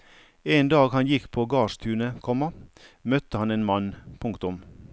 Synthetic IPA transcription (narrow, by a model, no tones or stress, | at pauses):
eːnd̪ɑːɡhɑnjɪkpʰoːɡɑːst̪ʰʉːnəkʰɔmɑmœt̪əhɑneːnmɑnpʰʊŋkt̪ʊm